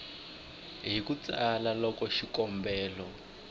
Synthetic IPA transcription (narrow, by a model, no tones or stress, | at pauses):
ɦikut͡salalɔkɔʃikɔmbɛːlɔ